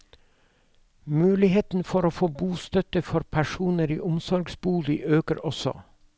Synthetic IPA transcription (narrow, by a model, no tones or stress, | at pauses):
mʉːlɪheːt̪n̩fɔɾoːfoːbuːst̪œt̪əfɔɾpʰæʃuːnəɾḭːʔʊmsɔɾɡsbuːlɪʔøːkəɾʔɔsɔ̰